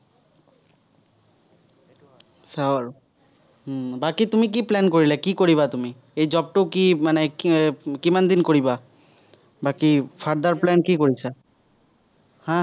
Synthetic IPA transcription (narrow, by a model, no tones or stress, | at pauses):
saɾ | bakit̪umik̬iplɛnkoɾilɛkikoɾiβat̪umi | ejd͡ʑɔb̚ʈokimane | kimand̪inkoɾiba | bakifʰaɾd̪aɾplɛnkikoɾit͡ɕʰa | hã